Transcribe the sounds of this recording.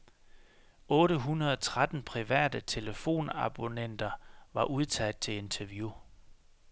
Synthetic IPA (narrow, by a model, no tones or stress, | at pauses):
ɔ̽ːɾəɦunɐð̞ˠɒt͡sʰʁad̥n̩pʰʁiʋæ̰ːd̥ət͡sʰe̝ləfo̝̰ːnɑ̈b̥o̝nen̰d̥ɐʋɑ̈ʔuð̞ˠt͡sʰæd̥̚t͡sʰe̝e̝nt͡sʰɐʋju